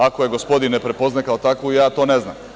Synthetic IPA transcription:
akojeɡospo̞d̪inːepɾepo̞znajkaot̪akʋuijaːt̪oːneznam

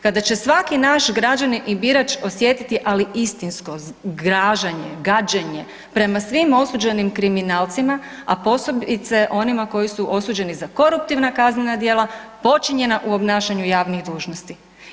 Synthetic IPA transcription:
kad̪at͡ɕe̞sʋakinaʃɡɾad͡ʒaninʔibiɾat͡ʃo̞sje̞t̪it̪iʔaliʔist̪insko̞ɡɾaːʒaɲeɡad͡ʒeɲe̞ | pɾe̞masʋimo̞suːd͡ʒe̞nimkɾiminaːlt̪sima | apo̞so̞bit̪se̞ʔo̞nimako̞jisuʔo̞suːd͡ʒe̞nizako̞ɾup̚t̪iʋnakaznenad̪je̞ːlˠapo̞t͡ʃiɲe̞naʔuo̞bnaːʃaɲujaːʋniɣd̪uːʒnost̪i

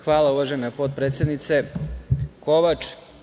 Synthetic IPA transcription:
xʋaːlauʋaʒenapot̪̚pɾet̪sjed̪nit̪se̞ | ko̞ʋat͡ʂ

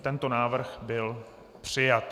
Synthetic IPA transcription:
t̪ɛnt̪o̞naːvr̩xbɪl | pr̝̥ɪjat̪

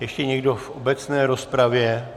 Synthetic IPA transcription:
jɛʃcɛɲɛɡdo̞fʔobɛt͡snɛːɾo̞spɾavjɛ

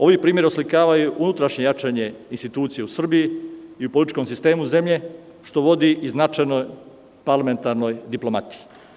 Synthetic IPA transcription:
o̞ʋipɾiːmje̞ɾioslikaːʋajuʔunut̪ɾaʃɲe̞jat͡ʃaɲe̞inst̪it̪uːt̪sije̞usr̩bijiiupolit̪it͡ʃʃko̞msist̪e̞ːmuze̞mʎe̞ | ʃt̪o̞ʋo̞d̪iʔiznat͡ʃajnoj | paɾlˠame̞nt̪aɾno̞jd̪iplˠo̞mat̪i̥ji

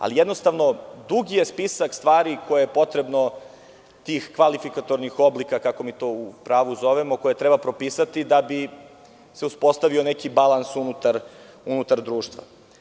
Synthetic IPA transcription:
a̰lijed̪nost̪aʋno̞d̪uɡije̞spisakst̪ʋaːɾikʰo̞jejepo̞t̪ɾebno̞ | t̪iːxkʋalifikat̪o̞ɾnixo̞blikakakomiːt̪o̞ːupɾaːʋuzo̞ʋemo̞ko̞je̞t̪ɾebapɾopisat̪id̪abi | se̞uspo̞st̪aʋio̞nekibalˠansunut̪aɾ | unut̪aɾd̪ɾuːʃt̪ʋa̰

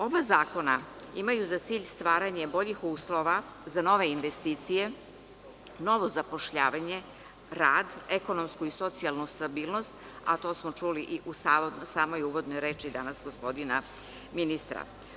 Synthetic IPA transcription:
o̞bazaːko̞na | imajuzat̪siːʎst̪ʋaːɾaɲe̞bo̞ʎixuːslˠo̞ʋa | zano̞ʋe̞inʋest̪iːt̪sije̞ | no̞ʋo̞zapo̞ʃʎaːʋaɲe | ɾaːd̪e̞ko̞nomskuiso̞t̪sialˠnust̪abiːlˠno̞st̪ | a̰t̪o̞ːsmot͡ʃuliʔiʔusaːosaːmojuʋo̞d̪nojɾe̞ːt͡ʃid̪anasɡospo̞d̪ina | minist̪ɾa̰

